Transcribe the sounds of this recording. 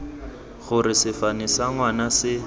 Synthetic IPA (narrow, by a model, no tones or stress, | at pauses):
ɣʊɾɪsɪfanɪsaŋwanasɪ